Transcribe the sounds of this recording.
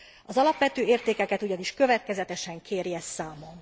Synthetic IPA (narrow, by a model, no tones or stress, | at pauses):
ɒzɒlɒpʋɛt̪øːeːrt̪eːkɛkɛt̪uɟɒniʃkø̞vɛt̪̚kɛzɛt̪ɛʃɛŋkʰeːɾiɛst̪saːmo̞n